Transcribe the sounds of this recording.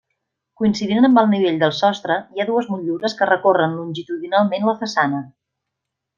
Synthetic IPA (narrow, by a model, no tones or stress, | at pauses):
kuinsiðiənəmbəlˠniβ̞eʎd̪əlˠsɔst̪ɾəiaðuəzmuʎuɾəskərəkorənlunʲʒit̪uðinalˠmenləfəsanə